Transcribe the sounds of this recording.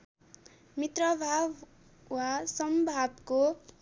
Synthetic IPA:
mit̪rʌbʱab | wasʌmbʱabko

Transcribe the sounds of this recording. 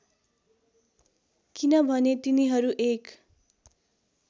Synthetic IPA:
kinʌbʱʌnet̪iniɦʌɾuʔek

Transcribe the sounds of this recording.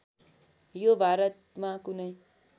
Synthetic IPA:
jobʱaɾət̪̚mãkunəj

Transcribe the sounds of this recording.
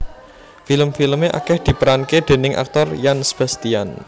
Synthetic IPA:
filəmfiləmeʔa̰kɛhd̪̥i̤pəɾanked̪̥e̤nɪŋʔa̰k̚t̪ɔrjansəb̥a̤st̪ian

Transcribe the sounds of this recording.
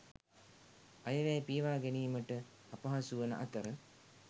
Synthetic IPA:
ajəʋɛjːpijʋaːɡæniːməʈə | apaɦasuʋənə̰ʔat̪əɾə

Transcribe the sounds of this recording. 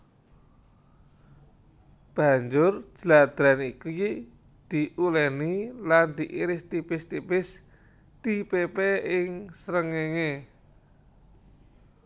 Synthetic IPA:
b̥a̤ɲd͡ʒʊr̥d͡ʒ̥əlad̪̥ɾaniki | d̪̥iʔulɛniland̪̥iʔiɾɪst̪ipɪst̪ipɪs | t̪ipepeɪŋsəɾəŋeŋe

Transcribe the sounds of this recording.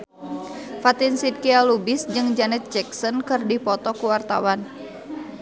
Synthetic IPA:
fat̪insit̪̚kialubisd͡ʒɨŋd͡ʒanɛt̪̚d͡ʒɛksɔnkɨrdipɔt̪ɔkuwart̪a̰wan

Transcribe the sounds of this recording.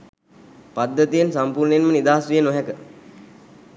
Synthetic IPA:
pad̪ːət̪ijensampuːɾnenmənid̪aːasʋijənoɦɛkə

